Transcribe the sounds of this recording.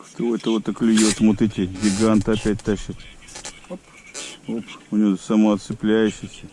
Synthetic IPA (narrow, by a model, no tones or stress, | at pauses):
kt̪ooɛt̪əot̪ɐklʲɪjot̪mot̪ɛt̪ʲɪɡʲɪɡant̪ɨɐpʲæt̚ʲt̪aɕɪt̪ | p | opʊnʲɪosɐmɐɐt̪sɨplʲæjʊɕɪsʲə